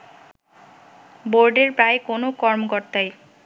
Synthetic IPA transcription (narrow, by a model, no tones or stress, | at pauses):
boɾɖeɾpɾaekonokɔɾmokoɾt̪aj